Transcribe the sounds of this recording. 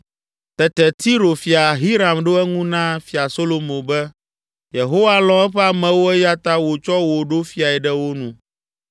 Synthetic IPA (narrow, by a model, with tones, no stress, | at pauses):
t̪ɛ˨t̪ɛ˨t̪ʰi˦ɾo˨fi˨a˨ɦi˦ɾa˨mɖo˦ɛ˦ŋũ˦nã˦fi˨a˨so˦lo˨mõ˨bɛ˦ | je˨ɦo˦wa˦lɔ̃˦ɛ˦ɸɛ˦a˨mɛ̃˨wo˦ɛ˦ja˦t̪a˦wo˨t͡ʃɔ˦wo˨ɖo˦fi˨˦a˨ɛ˨ɖɛ˦wo˦nũ˨